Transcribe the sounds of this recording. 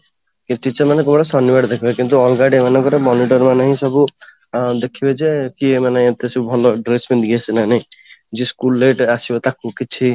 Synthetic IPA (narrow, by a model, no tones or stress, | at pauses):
kit͡ʃit͡ʃamanekɔbʈasɔnːibaɖd̪ekʰibekint̪̬uɔlɡaɖemanãkɔɾemɔniʈɔɾmanaɦĩsɔbu | d̪ekʰibed͡ʒekiemanaĩet̪esubʱɔlɔɖɾesment̪ɡiasinanejd͡ʒiskulːeʈasibet̪akukit͡ʃʰi